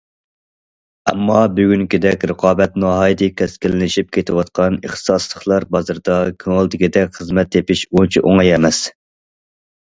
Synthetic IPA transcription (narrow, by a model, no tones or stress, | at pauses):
ɛ̰mːɑbyɡʲyŋkʲid̪ɛkʲɾəqʰɑːbɛt̪nɑɦɑjd̪ɨkʲʰɛskʲilɪnɪʃip̚kʲʰet̪ʰɪwɑt̪̚qʰɑnəχt̪ɨ̥sɑslˠəχlˠɑɾbɑzɨɾd̪ɑkʲʰøŋɛlˠd̪ɪkʲid̪ɛkʲχəzmɛt̪ʰːepɪʃunt͡ʃʰiʔoŋɑjɛmɛs